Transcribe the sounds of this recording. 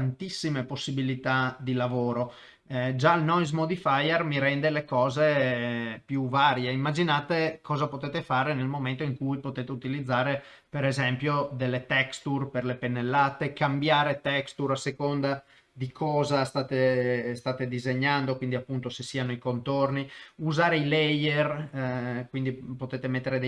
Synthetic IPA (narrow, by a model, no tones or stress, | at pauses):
nt̪isːimeposːibilit̪ad̪ilavoːɾo | d͡ʒalnɔjzmod̪ifajermiɾɛnd̪elekɔːze | pjuvaːɾjeimːad͡ʒinaːt̪ekʰɔːzapot̪et̪efaːɾenelmoment̪oiŋkujpot̪eːt̪eut̪ilid̪zːaːɾe | peɾezɛmpjod̪elːet̪ɛkst̪urperlepenːelːaːt̪ekambjaːɾet̪ɛkst̪uɾasekond̪a | d̪ikʰɔːzast̪aːt̪est̪aːt̪ed̪izeɲːand̪okwind̪iapːunt̪osesːiːanoikont̪orniuzaːɾeilɛjer | kwind̪ipot̪eːt̪emet̪ːeɾed̪e